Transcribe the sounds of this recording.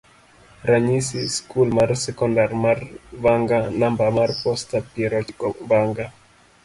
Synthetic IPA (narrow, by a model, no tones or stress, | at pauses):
ɾaɲisiskulmarsɛkɔndarmarvaŋɡanambamarpɔstapiɛɾɔt͡ʃkɔbaŋɡa